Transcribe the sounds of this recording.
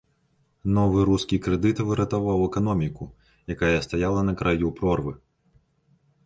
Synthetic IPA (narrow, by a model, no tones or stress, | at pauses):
nɔvɨɾuskʲikɾɛd̪ɨt̪vɨɾɐt̪avawɛkanɔmʲiku | jakajɐst̪ajalˠɐnɐkɾʔajupɾɔrvɨ